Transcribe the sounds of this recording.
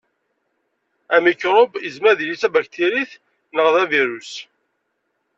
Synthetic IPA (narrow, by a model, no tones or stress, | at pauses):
æmikɾˤobəzmæɾðilit͡sæbæçt̪iɾiθ | nəʁðæviɾus